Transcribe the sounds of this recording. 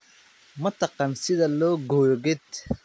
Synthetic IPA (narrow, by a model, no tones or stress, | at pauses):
mɐt̪ʰɑqɑnsɪðɐlɔːɡɔjɣɛd̪